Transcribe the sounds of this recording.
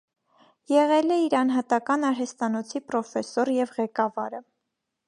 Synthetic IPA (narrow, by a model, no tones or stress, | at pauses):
jɛʁɛlɛiɾɑnɦɑt̪ɑkɑnɑɾɦɛst̪ɑnɔt͡sʰipɾɔfɛsɔɾjɛvʁɛkɑvɑɾə